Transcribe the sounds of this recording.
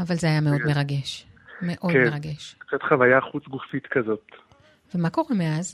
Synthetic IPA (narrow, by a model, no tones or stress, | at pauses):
avalzeajameo̞d̪me̞ʁaɡeʃ | me̞ʔo̞deʁaɡeʃkt͡set̪χavajaχut͡sɡufit̪kazo̞t̪ | vemako̞ʁemeaz